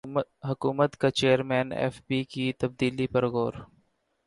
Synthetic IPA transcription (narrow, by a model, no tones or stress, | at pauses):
ɦʊkuːmət̪kat͡ʃeːəɾmɛːnɛ̰ːfbikit̪ɐb̚d̪iːlipɐɾɣoːɾ